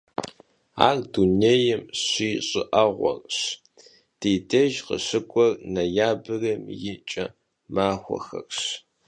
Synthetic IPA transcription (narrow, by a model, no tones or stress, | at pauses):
a̰ːrduneːjɛmɕiːɕʼɪʔɐʁʷɔ̰rɕ | d̥eːdʰɐʒqə̰ɕɨkʷʼɔrnɐjaːbɨrɐmjɪt͡ʃʼɐ | maːxʷɔ̰xɐ̰rɕ